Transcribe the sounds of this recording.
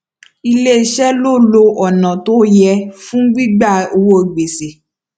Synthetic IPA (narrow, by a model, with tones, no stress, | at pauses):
i˧le˦˧ʃɛ˦lo˦˨lo˧ʔɔ˨nã˨to˦jɛ˧fũ˦ɡ͡bi˦ɡ͡ba˦˨o˧wo˦e˨ɡ͡be˨se˨